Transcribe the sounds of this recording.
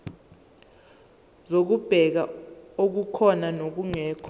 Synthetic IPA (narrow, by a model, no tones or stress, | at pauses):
zok̬ub̥ʱɛk̬a̰ok̬ukʰɔnanok̬uŋɛːkʰɔ